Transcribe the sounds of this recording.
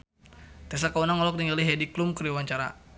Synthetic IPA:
t̪ɛsakaunaŋɔlɔk̚tiŋaliɦɛdiklumkəɾiwaɲt͡ʃaɾa̰

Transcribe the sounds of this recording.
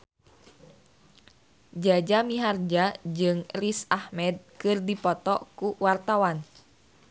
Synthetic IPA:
d͡ʒad͡ʒamiɦard͡ʒad͡ʒɨŋrisahmɛd̪̚kɨrdipɔt̪ɔkuwart̪awan

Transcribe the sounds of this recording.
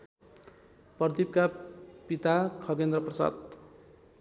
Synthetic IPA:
pʌd̪ib̚kapit̪akʰʌɡend̪rʌprʌsa̰d̪̚

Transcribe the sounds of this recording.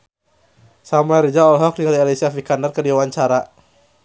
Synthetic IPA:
samaɾid͡ʒaɔlɦɔk̚diŋalialesiafikandarkərdiwawaɲt͡ʃaɾa

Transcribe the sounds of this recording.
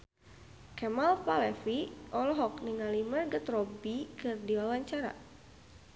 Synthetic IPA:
kɛmalpalɛfiʔɔlɔɦɔk̚niŋalimərɡət̪ɾɔbikɨrdiwawaɲt͡ʃaɾa̰

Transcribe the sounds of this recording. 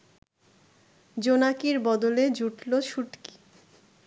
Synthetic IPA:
d͡ʑonakiɾbɔd̪oled͡ʑuʈloʃuʈki̥

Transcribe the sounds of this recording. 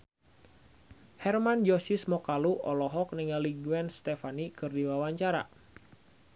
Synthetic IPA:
hɛrmand͡ʒɔsismɔkaluʔɔlɔɦɔk̚niŋaliɡuɛnst̪ɛfanikɨrdiwawaɲt͡ʃaɾa̰

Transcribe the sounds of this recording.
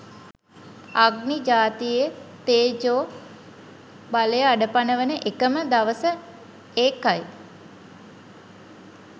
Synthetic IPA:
aɡnid͡ʒaːt̪ijet̪eːd͡ʒoː | baləjəaɖəpanəʋənəʔekəməd̪aʋəsə | eːkaj

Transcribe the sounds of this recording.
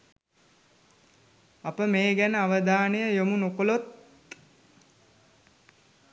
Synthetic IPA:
apəmeːɡænəaʋəd̪aːnejəjomunokolot̪̚

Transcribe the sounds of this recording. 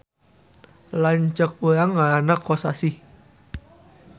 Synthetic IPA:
laɲt͡ʃək̚uɾaŋːaɾanakɔsasi

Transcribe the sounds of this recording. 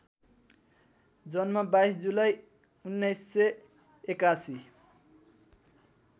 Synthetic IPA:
d͡zʌnmʌbajsd͡zulaj | unːʌjsːe | ekasi

